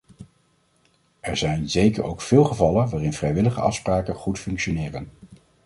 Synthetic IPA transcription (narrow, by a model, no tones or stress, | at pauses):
ʔɛɹzɛjnzejkəɹo̰wkfɪːlˠχəvɑlənʋaːrɪnvrɛjʋɪləχə̰ɑ̰fspraːkəχutfɵŋkʃonɪːrən